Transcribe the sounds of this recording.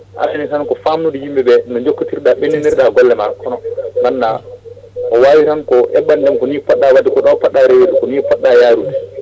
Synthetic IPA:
ʔa̰sinisankɔfamnuɗihimbɛbɛnɔɲd͡ʒokːitiɾɗaɓenːiniɾɗaɡɔlːɛmakɔnɔbanːa | kɔwaːwiɾankɔʔɛ̰ɓːandɛmkɔnipɔɗːawadikɔɗawpaɗːaɾeweɾɗɛkɔnipɔɗːajaɾudi

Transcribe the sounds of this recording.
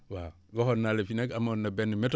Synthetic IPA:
wa | ɡohonːalefinekamonːabenːumet

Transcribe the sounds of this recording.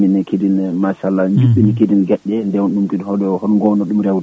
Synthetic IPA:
minɛkedinmasalːaɲd͡ʒuɓːinɛkedinɡɛɗːɛndɛwɗumkidhɔɗɔhɔnɡɔnɔɗumɾɛwd

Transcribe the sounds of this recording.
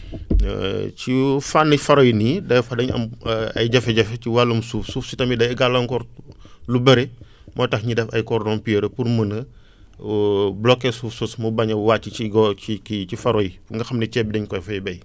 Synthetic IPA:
t͡ʃifanːifɐɾɔjinidɐjfɐdɐɲɐ̰mɐ̰jɟɐfɛɟɐfɛciwalːumsuːfsuːfsitɐmidɐjɐɡalːɔŋkɔɾlubɐɾe | mʔɔːjtɐxɲidɛfɐ̰jkɔrdɔnpiɾəpurmənə | blɔkːɛsuːfsusmubɐɲɐwaːt͡ʃːit͡ʃiɡɔikit͡ʃifɐɾɔjiuŋɡɐxɐmnɛt͡ʃɛːbidɐɲkɔjfɐjbɛj

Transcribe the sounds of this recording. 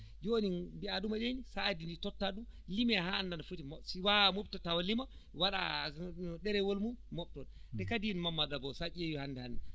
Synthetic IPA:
d͡ʒoninbiaɗumaɗenisaːdinditɔtːaɗumlimɛhandanafutimsiwamobtɔtawalima | waɗa̰ | ɗɛɾɛwolmumɔɓ̚tɔndɛkadinmamːaɗabɔsaʔijewihandɛhandɛ

